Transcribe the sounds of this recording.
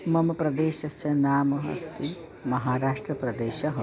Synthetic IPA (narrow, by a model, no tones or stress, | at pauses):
mɐmɐpɾɐd̪eːʃɐsjɐnaːmɐɦɐ̰st̪ʰi | mɐɦaːɾaːʂʈɾɐpɾɐd̪eːʃɐɦɐ